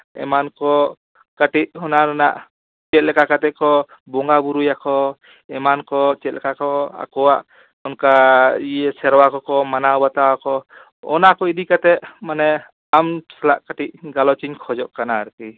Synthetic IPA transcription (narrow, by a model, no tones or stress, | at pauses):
ɛ̰mankɔ | kaʈic̚ɔnaɾana̰ʔ | t͡ʃɛt̪̚lɛkakat̪ɛkɔ | bɔŋɡabuɾujakɔ | ɛmankɔt͡ʃɛt̪̚lɛkakɔa̰kɔwaʔ | ɔnkaijɛsɛɾwakɔkɔmanabat̪awakɔ | ɔ̰nakɔid̪ikat̪ɛʔmanɛ | amsɛlaʔkaʈiʔ̚ɡalɔt͡ʃiɲkʰɔd͡ʒɔʔkanaɾki